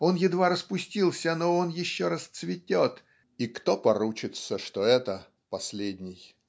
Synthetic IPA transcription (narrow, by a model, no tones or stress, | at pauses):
o̞njɪd̪vaɾəspʊsʲtʲilˠsʲənoonjɪɕːoɾɐst̪svʲɪtʲo̞t̪ | ikt̪o̞pɐɾut͡ɕɪt̪səʂt̪oɛt̪ə | pɐsʲlʲedʲnʲɪj